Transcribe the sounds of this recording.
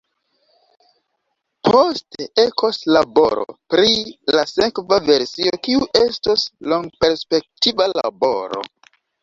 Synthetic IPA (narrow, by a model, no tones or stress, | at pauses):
pʰosteekʰoslabo̞ɾo̰pɾilasekvave̞ɾsiokiuʔe̞stosloŋɡpe̞ɾspe̞k̚tivala̰bo̞̰ɾo̞̰